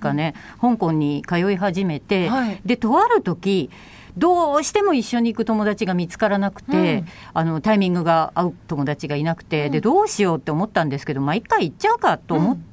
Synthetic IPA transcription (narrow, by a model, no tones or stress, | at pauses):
kane̞ | hõ̞ŋkõ̞ɲ̟ːikajo̞iɦaʑime̞t̪e̞d̪e̞t̪o̞βaɾɯ̟t̪o̞kʲi | d̪o̞ːɕi̥t̪e̞mo̞iɕːo̞ɲ̟iːkɯ̟t̪o̞mo̞d̪at͡ɕiɡamʲit͡sɨ̥kaɾanakɯ̟̥t̪e̞ | ano̞t̪aimʲĩŋɡɯ̟ɡaaɯ̟t̪o̞mo̞d̪at͡ɕiɡainakɯ̟̥t̪e̞d̪e̞d̪o̞ːɕijo̞ːt̪ːe̞omo̞t̪ːãnd̪esɨ̥ke̞d̪o̞maikːaiːtt͡ɕːaɯ̟kat̪ːo̞ːmo̞